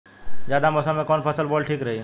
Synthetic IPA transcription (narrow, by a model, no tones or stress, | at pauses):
d͡ʒjad̪amɔsamẽkɔnpʰəsəlboɖʈʰiːkɾəɦi